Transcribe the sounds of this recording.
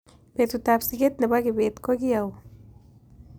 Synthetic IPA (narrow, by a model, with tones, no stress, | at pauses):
pe˨ɾt̪ut̪a˧psiɡe˦t̪na˨ba˦ɡi˧be˨t̪ko˦ɡi˦ja˨w